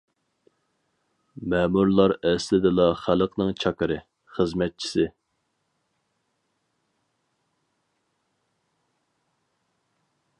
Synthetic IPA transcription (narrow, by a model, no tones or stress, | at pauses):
mɛmuɾlˠɑɾɛslɪd̪ɪlˠɑχæləqnɨŋt͡ʃʰɑkɨɾɨ | χəzmɛt̪̚t͡ʃʰi̥sɪ